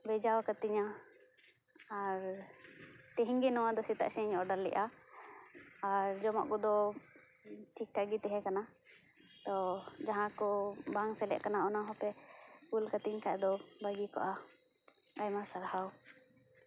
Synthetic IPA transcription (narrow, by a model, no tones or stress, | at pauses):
bɛd͡ʒawakat̪iɲa | aɾ | t̪ɛɦiŋɡɛnɔwad̪ɔsit̪a̰ʔsɛɲɔɖalːɛ̰ʔa | ɾd͡ʒɔmɔ̰ʔkɔd̪ɔ | ʈʰik̚ʈʰaɡit̪ɛɦɛ̃kana | t̪ɔd͡ʒaɦãkɔbaŋsɛlɛ̰ʔkanaɔnaɦɔpɛkulkat̪iɲkʰaʔd̪ɔbaɡikɔ̰ʔa | ajmasaɾhaw